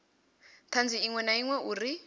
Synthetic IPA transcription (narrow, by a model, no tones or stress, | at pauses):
t̪ʰand͡ziiŋwɛnaiŋwɛʔuri